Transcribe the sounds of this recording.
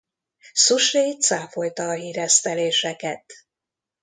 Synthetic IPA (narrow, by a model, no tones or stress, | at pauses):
suʃeːt̪saːfo̞jt̪ɒːɦiːɾɛst̪ɛleːʃɛkɛt̪